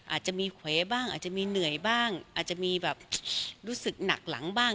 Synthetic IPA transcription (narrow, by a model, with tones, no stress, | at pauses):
ʔa̰ː˨˩t̪̚t͡ɕa˨˩ʔmiː˧kʰweː˨˦˥baː˥˩ŋʔa̰ː˨˩t̪̚t͡ɕa˨ʔmiː˧nɯ˨˩əjbaː˥˩ŋʔaː˨˩t̪̚t͡ɕa˨˩miː˧bɛː˨˩p̚ɾuː˦˥sɯ˨˩k̚na̰˨˩k̚la̰˩˦ŋbaː˥˩